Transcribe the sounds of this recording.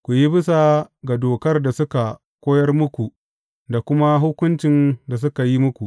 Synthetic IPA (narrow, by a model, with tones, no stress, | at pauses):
kʷu˨ji˦bɪ˦sa˨ɡa˨doː˨kɐ˦rda˨sʊ˦ka˨ | kʷoː˦jɐ˦rmʊ˦kʷu˨ | da˨kʷʊ˦ma˦ɦʊ˦kʷʊ˦nt͡ʃɪ˨nda˨s̬ʊ˦ka˨ji˦mʊ˦kʷu˨ʔ